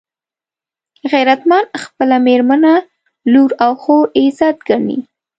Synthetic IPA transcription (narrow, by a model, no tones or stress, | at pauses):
ɣajɾat̪manxpəlameɾmana | luɾawxoezɑt̪̚ɡaɳḭ